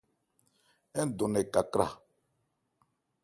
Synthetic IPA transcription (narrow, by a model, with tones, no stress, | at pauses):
ɛ˦n˦d̪o˨nɛ˨ka˨kɾa̰˨